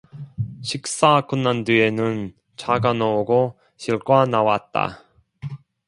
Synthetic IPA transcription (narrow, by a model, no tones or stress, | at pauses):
ɕʰik̚s͈akɯnːandienɯn | t͡ɕaɡanouɡo | ɕʰiɭk͈wanawat̚t͈a̰